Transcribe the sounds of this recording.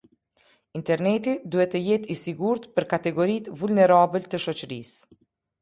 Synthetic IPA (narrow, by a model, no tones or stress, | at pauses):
int̪ɛɾnɛt̪id̪uhɛt̪ːəjɛt̪isiɡuɾt̪pəɾkat̪ɛɡɔɾit̪vulnɛɾabəlt̪əʃɔt͡ʃəɾḭs